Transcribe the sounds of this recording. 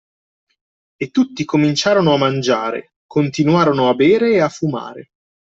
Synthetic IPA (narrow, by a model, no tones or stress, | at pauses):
et̪ːut̪ːikomint͡ʃaːɾonoamːand͡ʒaːɾḛ | kʰont̪inwaːɾonoabeːɾeːafːuma̰ːɾḛ